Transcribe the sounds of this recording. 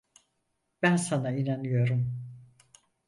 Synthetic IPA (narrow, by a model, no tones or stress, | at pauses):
bænsanainanyjo̞ɾum